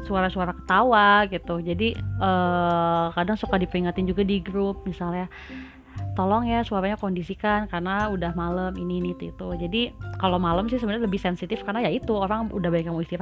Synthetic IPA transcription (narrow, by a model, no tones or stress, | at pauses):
suaɾasuaɾakə̥t̪awaɡit̪ud͡ʒadiəːkadaŋsukadipəɾiŋat̪ɪnd͡ʒuɡadiɡɾup̚misalɲa | t̪ɔlɔŋjasuaɾaɲakondisikankaɾənaudahmaləmininit̪uit̪ud͡ʒadikalomaləmsɪsəbənaləbɪhsɛnsit̪ɪfkarənajait̪uoɾaŋṵdahbaɲakjamuist̪iɾa